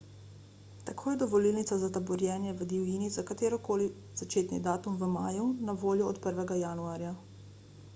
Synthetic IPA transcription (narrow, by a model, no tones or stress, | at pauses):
t̪akʰoːjɛd̪ɔʋɔliːlnitsazat̪abɔɾjɛːnjɛʋəd̪iwjiːnizakat̪eːɾɔkoːli | zat͡ʃeːt̪nḭd̪aːt̪umʋəmaːjunaʋoːljɔɔt̪pəɾʋɛɡajaːnuaːɾja